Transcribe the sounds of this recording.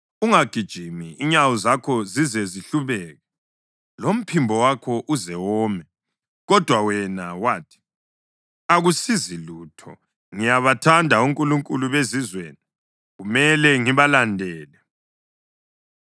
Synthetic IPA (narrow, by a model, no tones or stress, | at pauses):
uŋaɡ̥ʱid̥ʒ̥ʱimiiɲawɔzakʰɔzizɛziɬuβɛːɣɛ | lom̩pʰimbʱɔwakʰɔʔuzɛwɔːmɛ | ɣɔd̥ʱwawɛnawaːtʰi̥ | aɣusiziluːtʰɔ | ŋijaβatʰandʱauŋkʼuluŋkʼuluβezizweːni | ɣumɛlɛŋiβalandʱɛːlɛ